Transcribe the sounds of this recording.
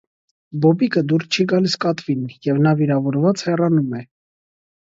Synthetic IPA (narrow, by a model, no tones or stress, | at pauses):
bɔbikəd̪uɾst͡ʃʰiɡɑliskɑt̪vinjɛvnɑviɾɑvɔɾvɑt͡shɛrɑnumɛ